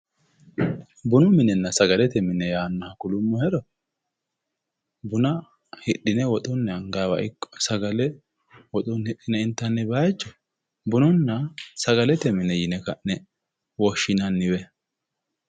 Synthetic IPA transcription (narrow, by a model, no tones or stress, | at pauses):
bʊnʊmɪnɛnːɐsɐɡɐlɛt̪ɛmɪnɛjaːnːɐhɐkʊlʊmːɔhɛɾɔ | bʊnɐ | hɪɗɪnɛwɔt̪ʼɔnːɛɐŋɡawɐ̰ʔɪkːɔ̥sɐɡɐlɛ | wɔt̪ʼɔnhɪɗːɪnɛɪnt̪ːɐnːɛbaːjt͡ʃːɔ | bʊnɔnːɐsɐɡɐlɛt̪ɛmɪnɛjɪnɛkɐʔnɛ | wɔʃːɪnɐnːɪβɛ